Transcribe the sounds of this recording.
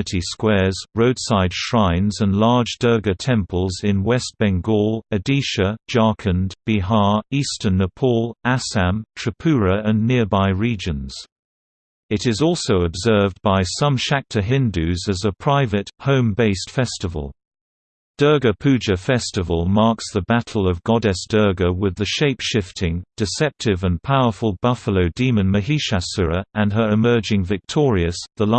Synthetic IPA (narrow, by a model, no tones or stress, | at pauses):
tʰiskwɛɹzɹəʊd̥saɪd̥ʃɹãɪ̃nzə̃nlɑɹd͡ʒdɜ˞ɡətʰɛ̃mpəlˠzɪ̃nwɛst̚b̥ɛ̃ŋɡɔlˠɨdiˑʃəd͡ʒɑɹkʰə̃nb̥iɦɑɹiˑstə˞nəpʰɔlˠæsæ̃mtʰɹ̥əpʰʉːɹəə̃nːɪəbaɪɹiːd͡ʒə̃nz̥ | ɪɾɪzɔˑlˠsəʊəbzɜ˞vbaɪsʌ̃mʃæk̚tʰəɦɪ̃ndʉzɨzəpʰɹ̥aɪvɨthõʊ̃mbeɪstfɛstɨvə̰lˠ | d̥ɜ˞ɡəpʰʉd͡ʒɨfɛstɨvəlˠmɑɹksðəbæɾʰˡl̩ˠʌvɡɑdɛsd̥ɜ˞ɡəwɪðɨʃeɪpʃɪftʰɪ̃ŋd̥ɨsɛp̚tʰɪvə̃npʰaʊə˞fəlˠbʌfəloʊdĩmɨ̃nmɨɦiʃæsɪɹəʔə̃nə˞ɨmɜ˞d͡ʒɪ̃ŋvɨk̚tʰɔɹiɨsðəl